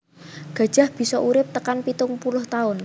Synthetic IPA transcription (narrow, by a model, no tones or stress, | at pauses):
ɡ̥ä̤̥d͡ʒ̥a̤hb̥i̤sɔʔuɾɪp̚t̪əkanpit̪ʊŋpulʊht̪aʊn